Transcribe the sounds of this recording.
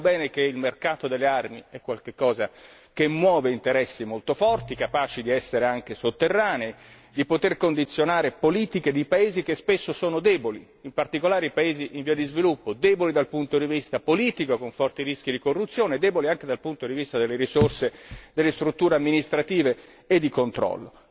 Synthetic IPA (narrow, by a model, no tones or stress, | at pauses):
bɛːnekeilmerkaːt̪od̪elːearmiɛkːwalk̟ekːɔːza | k̟emːwɔːveint̪eɾɛsːimolt̪ofɔrt̪ikapaːt͡ʃid̪iɛsːeɾeaŋk̟esot̪ːerːaːne | d̪ipot̪erkond̪it̪sːjonaːɾepoliːt̪iked̪ipaeːzik̟espesːosoːnod̪ɛːboliːmpart̪ikolaːɾeipaeːziʔiɱviːad̪izvilupːod̪ɛːbolid̪alpunt̪od̪ivist̪apoliːt̪ikokoɱfɔrt̪iɾisk̟id̪ikorːut̪sːjoːned̪ɛːboliaŋk̟ed̪alpunt̪od̪ivist̪ad̪elːeɾisorsed̪elːest̪ɾut̪ːuːɾeamːinist̪ɾat̪iːveː | d̪ːikont̪ɾɔ̰lːo̰